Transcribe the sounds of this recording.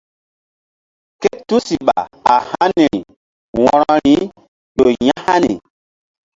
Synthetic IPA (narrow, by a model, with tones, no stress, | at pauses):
ke˦tu˦si˨ɓa̰˨a˨ha˦ni˨ɾi˨ | wɔ̃˨ɾɔ˦ɾi˨˦ | ɗo˨jã˦ha˦ni˨